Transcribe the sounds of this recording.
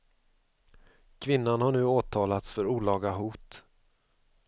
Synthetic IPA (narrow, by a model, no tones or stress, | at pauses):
kʰvɪnːanhaɳʉ̟ːoːt̪ʰɑːlat̪sfœɾuːlɑːɡaɦuːt̪